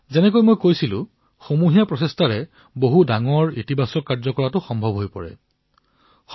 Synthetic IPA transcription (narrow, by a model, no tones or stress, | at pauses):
zɛnɛk̬ojmojkojsilʊ̰̃ | xomuɦijapɹɔsestaɹɛ | boɦudaŋɔɹitibʱasɔkːaɹzɔkɔɹatʊxɔmbʱɔbʱɦojpɔ̰ɹɛ̰ | x